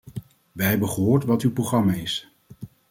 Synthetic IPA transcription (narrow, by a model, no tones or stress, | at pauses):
ʋɛjɦɛbəχəɦoːɹtʋɑtywproχrɑmaːɪs